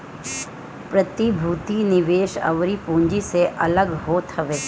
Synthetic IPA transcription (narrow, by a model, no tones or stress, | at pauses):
pɾət̪ibʱuːt̪inɪʋeːʃə̰ʋɾipũːɲd͡ʒiseʔɐləɡɦoːt̪ɦɐʋeː